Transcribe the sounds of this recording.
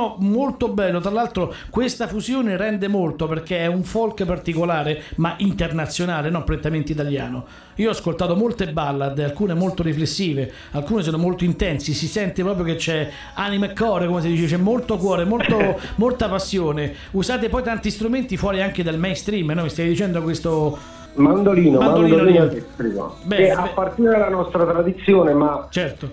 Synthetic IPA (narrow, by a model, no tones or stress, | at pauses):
ɔmolt̪obɛlːot̪ɾalːalt̪ɾokwest̪afuzjoːneɾɛnd̪emolt̪operk̟eɛuɱfolkpart̪ikolaːɾemaʔint̪ernat̪sːjonaːlenɔnpɾent̪ament̪oit̪alja̰ːno | iːoɔskolt̪aːt̪omolt̪ebalːad̪alkuːnemolt̪oɾiflesːiːve | alkuːnesoːnomolt̪oint̪ɛnsisisɛnt̪epɾɔːpɾjoket͡ʃːɛ | animaekːɔːɾekomes̬id̪iːt͡ʃet͡ʃɛmːolt̪okwɔːɾemolt̪omolt̪apasːjoːne | uzaːt̪̬epɔjt̪ant̪ist̪ɾument̪ifwɔːɾiaŋked̪almɛjnst̪ɾimnɔmist̪ajd̪it͡ʃɛnd̪okwest̪o | mand̪oliːnomamnad̪ondid̪onliːspɾḭmo̰bɛapːart̪iɾed̪elanɔst̪ɾat̪ɾad̪it̪sːjoːnemat͡ʃɛrt̪o